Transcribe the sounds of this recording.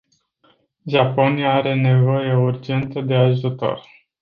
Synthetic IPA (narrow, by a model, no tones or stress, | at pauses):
ʒapo̞nijaaɾe̞ne̞vo̞jeurd͡ʒe̞nt̪əd̪e̞aʒut̪o̰r